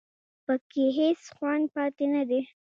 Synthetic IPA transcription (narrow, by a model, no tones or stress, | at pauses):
pəkʰeɦesxwan̚pɑt̪enad̪e